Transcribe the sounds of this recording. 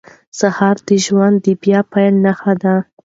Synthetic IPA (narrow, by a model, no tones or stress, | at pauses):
sahɑɾd̪̥əʒwand̪ːəbjɑpajlnaxad̪a